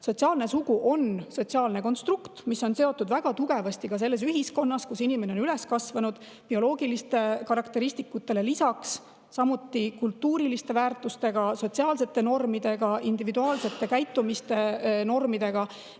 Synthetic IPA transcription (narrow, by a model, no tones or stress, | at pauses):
so̞tsiɑːlne̞suɡ̥uʔo̞nso̞t̪ʲsiɑːlne̞ko̞nst̪rukt̪misːo̞nse̞o̞t̪ːˑud̪væɡ̥ɑt̪uɡ̥e̞vɑst̪ikɑs̬e̞lːe̞s̬yɦisko̞nːɑskusinimeneo̞nyle̞skɑsvɑnud̪̥ | pio̞lo̞ːɡ̥ilist̪e̞kɑɾɑkt̪e̞ɾist̪ikːut̪ːˑe̞le̞lisɑksː | ɑmut̪ːikult̪ːuːɾilist̪e̞væːrt̪ːˑust̪e̞ɡ̥ɑso̞tsiɑːlse̞t̪ːˑe̞no̞rmid̪e̞ɡ̥ɑind̪ivid̪uɑːlse̞t̪ˑːe̞kæjt̪ːˑumist̪e̞no̞rmid̪̥e̞ɡ̥ɑ